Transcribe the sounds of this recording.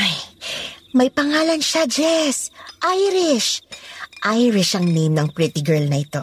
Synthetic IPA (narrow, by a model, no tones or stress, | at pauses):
ʔaj | mɐjpɐŋaːlɐnʃad͡ʒɛsʔajɾɪʃ | ʔajɾɪʃʔɐŋnejmnɐŋpɾɪt̪ɪɡɛɹlnɐʔɪt̪o̞